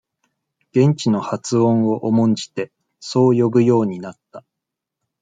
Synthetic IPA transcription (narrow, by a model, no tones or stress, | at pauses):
ɡ̥ẽ̞ɲ̟t͡ɕino̞hat͡sɨõ̞ɰ̃o̞ʔomõ̞ɲ̟d͡ʑi̥t̪e̞ | so̞ːjo̞bɯ̟jo̞ːɲ̟inat̪ːa